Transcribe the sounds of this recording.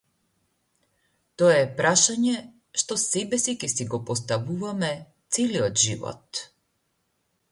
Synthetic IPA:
t̪ɔɛɛpɾaʃaɲɛ | ʃt̪ɔsɛbɛsicʲɛsiɡɔpɔst̪avuvamɛ | t̪sɛliɔt̪ʒivɔ̰t̪

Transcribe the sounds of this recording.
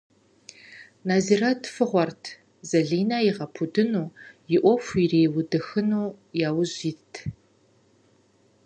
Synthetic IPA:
naːziːratʰfɨʁʷɔrtʰ | zɐɮiːnajɪʁɐpʰudɨnuːjɪʔʷɔfʷireːwʊdɨxɨnuː | jaːwʊʑiːtʰ

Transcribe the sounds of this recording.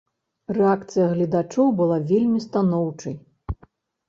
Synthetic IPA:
rɛakt̪sɨjɐɣlʲɐd̪at͡ʂɔwbɨlˠavʲelʲmʲist̪anɔwt͡ʂɐj

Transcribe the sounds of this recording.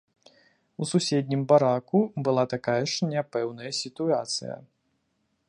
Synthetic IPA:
ususʲɛd̪ʲnʲimbaɾakubɨlˠat̪akajɐʂnʲapɛwnɐjɐsʲit̪uat̪sɨ̰jɐ̰

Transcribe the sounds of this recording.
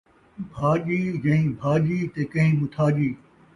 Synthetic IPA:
bʱaːʄiːjɐɦĩbʱaːd͡ʒiːt̪eːkɐɦĩːɓʊt̪ʰaːd͡ʒiː

